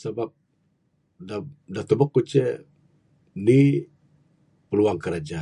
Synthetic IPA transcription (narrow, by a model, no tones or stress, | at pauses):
sabap̚ | dadat̪ɔbəkːut͡ʃɛ | ni | pəluaŋkəɾad͡ʒa